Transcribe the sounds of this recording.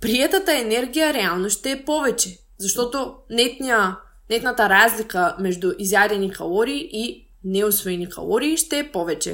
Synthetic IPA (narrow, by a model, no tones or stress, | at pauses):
pɾiɛt̪at̪aɛnɛɾɡijaɾɛalˠnoʃt̪ɛːpɔvɛt͡ʃɛ | zaʃt̪ɔt̪onɛt̪nia | nɛt̪nat̪aɾazlikamɛʒd̪uʔizjaɾɛnikalˠɔɾiːʔi | nɛusvɔɛnika̰lˠɔɾiːʃt̪ɛːpɔvɛt͡ʃɛ̰